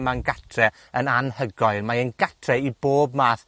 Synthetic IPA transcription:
manɡatʰrɛ | ənanhəɡɔɨlmaənɡatʰrɛiboːb̚maːθ

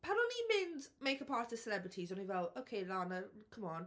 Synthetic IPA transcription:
pʰanɔnimɪndmejkəpʰaɹtəsɛlɛbɹɪtʰizɔnivɛlˠowkʰejlˠanəkʰəmɔn

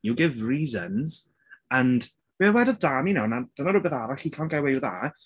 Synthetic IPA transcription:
juɡɪvriːzənz̥ | ənd | biəwɛdɔðdaːminawnad̥ənaɾuːbeθaɾaɬikʰanɡawɛjuða̰

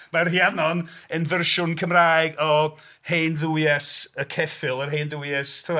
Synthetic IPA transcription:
marhjanɔnənvərʃʊnkʰəmraːjɡɔ | hejnðujɛsəkʰɛfɪlˠərɦejnðujɛstʰəa

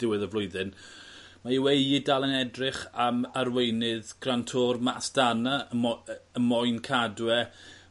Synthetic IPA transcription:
d̥ɪwɨðəvlˠʊɨðɨn | maiwejidalˠənɛdrɪχamarwejnɪðɡ̥rantʰoːrmasd̥anaəəmɔjnkʰadwɛ

